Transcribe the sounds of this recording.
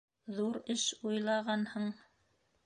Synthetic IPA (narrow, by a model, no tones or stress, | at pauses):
ðuɾɘʃujlˠɑʁɑnhɤɴ